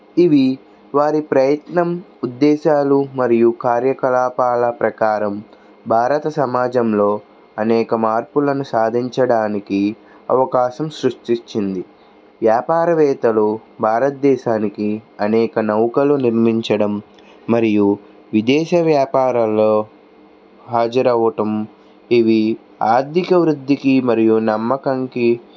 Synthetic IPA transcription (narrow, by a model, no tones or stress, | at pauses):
iʋi | ʋaːɾipɾɐjɐt̪nɐmud̪ːɛːʃaːlumɐɾijukaːɾjɐkɐlaːpaːlɐpɾɐkaːɾɐm | bʱaːɾɐt̪ɐsɐmaːd͡ʒɐmlo̞ː | ɐnɛːkɐmaːɾpulɐnusaːd̪ʱiɲt͡ʃɐɽaːniki | ɐ̰ʋɐkaːʃɐmsɾuʂʈit͡ʃːind̪i | ʋjaːpaːɾɐʋɛːt̪ɐlubʱaːɾɐt̪̚d̪ɛːʃaːnikiɐnɛːkɐnɐwkɐluniɾmiɲt͡ʃɐɽɐmː | ɐɾiju | ʋid̪ɛːʃɐʋjaːpaːɾɐloː | ɦaːd͡ʒɐɾɐʋɐʈɐm | iʋi | aːɾd̪ikɐʋɾud̪ʱːikimɐɾijunɐmːɐkɐŋki